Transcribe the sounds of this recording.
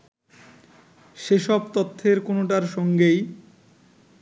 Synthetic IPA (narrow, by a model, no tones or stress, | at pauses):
ʃeʃɔbt̪ot̪ʰːeɾkonoʈaɾʃɔŋɡej